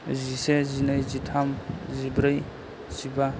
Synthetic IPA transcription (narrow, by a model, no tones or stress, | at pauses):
zisezinajzitʰamzibɾəj | z̥iba